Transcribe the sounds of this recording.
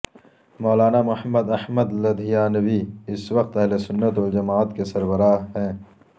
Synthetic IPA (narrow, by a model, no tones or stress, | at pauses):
mɔːlaːnamʊhəmːəd̪ɐhməd̪lɐd̪ʱijaːnɐwiɪswɐq̚t̪ɐɦlesʊnːət̪ɔːɾd͡ʒɐmaːt̪kesɐɾbɐɾaːɦɛ̃ː